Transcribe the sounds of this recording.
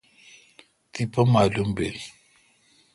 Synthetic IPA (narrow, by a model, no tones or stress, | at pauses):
tipəmalumben